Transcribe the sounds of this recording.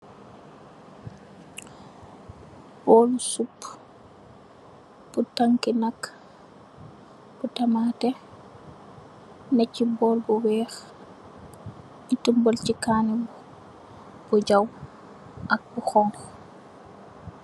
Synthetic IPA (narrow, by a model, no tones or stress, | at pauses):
b̥ɔːlsupː | b̥utaŋkinak | b̥utamatɛ | nɛcːibɔːlbuwɛːx | itumbɔlcikaːnibu | b̥uɟaw | ʔak̚buxɔŋx